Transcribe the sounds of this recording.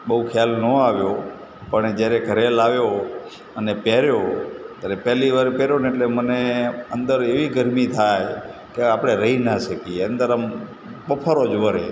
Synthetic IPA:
ɓəukʰjalnəaʋjo | pəɳed͡ʒjaɾeɡʱəɾelaʋjo | ənepɛɾjot̪jaɾepɛɦliʋaɾpɛɾjoneːʈleməneənd̪əɾeʋiɡəɾmit̪ʰajkeapɽ̃eɾəɦinaʃəkieənd̪əɾəm | ɓəpʰəɾod͡ʒʋəɾe

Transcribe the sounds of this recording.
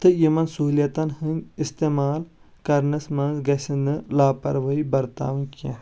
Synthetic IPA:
t̪ɨjimɐnsuljɐt̪ɐnhɨnʲist̪eːmaːl | kɐɾnɨsmɐnzɡɐsinɨlaːpɐ̰ɾʋɐibɐɾt̪a̰ːʋɨnʲkã

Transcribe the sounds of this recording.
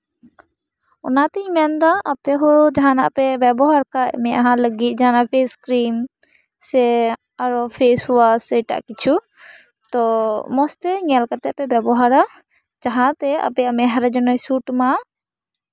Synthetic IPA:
ɔnat̪ɛimand̪aʔapɛɦɔd͡ʒaɦana̰ʔpɛbɛbɔɦaɾkaʔmɛʔaɦãləɡit̪̚ˀd͡ʒaanaʔpʰeskɾim | sɛ | aɾɔpʰesuwasəjʈa̰ʔkit͡ʃʰu | t̪ɔmɔst̪ɛŋɛlkat̪ɛʔpɛbɛbɔɦaɾa | d͡ʒaɦãt̪ɛa̰pɛamɛɦaɾad͡ʒɔnɔjsuʈma

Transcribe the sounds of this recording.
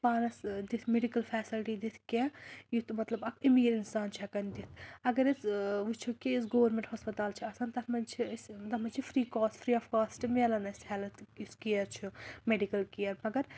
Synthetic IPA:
paːnɐsd̪it̪ʰmeɖikɐlfʰɛːsilʈid̪it̪ʰkẽjut̪ʰmɐt̪lɐbɐkʰimiɡɾinsaːnt͡ʃʰiɐkɐnd̪it̪ʰɐɡɐɾisʋut͡ʃʰukiisɡoːʋɐɾmʲẽɳʈhɦoːspɐt̪aːlt͡ʃʰiɐsaːnt̪ɐt̪ʰmɐnt͡ʃʰisd̪ɐmɐt͡ʃʰifɾiːkoːsfʰɾiːɐfkaːsʈimeːlɐnɐshɛːlɐt̪ʰiskijɐɾt͡ʃʰumeɖikɐlkijɐɾmɐɡɐɾ

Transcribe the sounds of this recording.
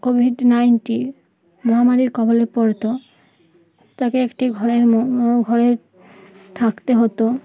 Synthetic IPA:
kobʱiɖnajnʈi | mɔɦamaɾiɾkɔbolepɔɾt̪o | t̪akeekʈiɡʱɔɾeɾɡʱɔɾe | t̪ʰakt̪eɦot̪o

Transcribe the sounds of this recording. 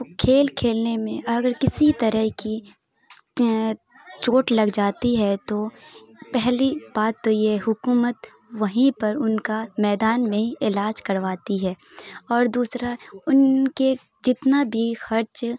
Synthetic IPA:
kʰeːlkʰeːlnemẽʔɐɡəɾkɪsit̪ɐɾəɦki | t͡ʃoːʈlɐɡd͡ʒaːt̪iɦɛt̪o | pɛɦlib̥aːt̪ːojɛɦʊkuːmət̪ | ʋɐɦĩpɐɾʊnkamɛːd̪aːnmẽiɪlaːd͡ʒkɐɾʋaːt̪iɦɛː | ɔːɾd̪uːsɾaʊnke | d͡ʒɪt̪nabʱixɐɾt͡ʃ

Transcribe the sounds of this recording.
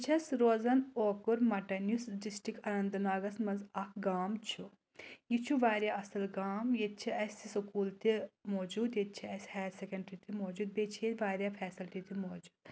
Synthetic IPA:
t͡ʃʰɐsɾoːzɐnoːkuɾmɐʈɐnjusɖisʈikɐnɐnd̪ɐnaːɡɐsmɐnzɐkʰɡaːmt͡ʃʰu | jit͡ʃʰuʋaːɾʲjaɐsɐlɡaːmjet̪̚t͡ʃʰiɐsʲisɐkuːlt̪imoːd͡ʒuːd̪jet̪̚t͡ʃʰiɐsʲhɛːɾsekɐɳɖɾit̪ʰimoːd͡ʒuːd̪̚beːt͡ʃʰeːt̪ʋaːɾjaːpʰɛːsilʈit̪imoːd͡ʒuːd̪̚

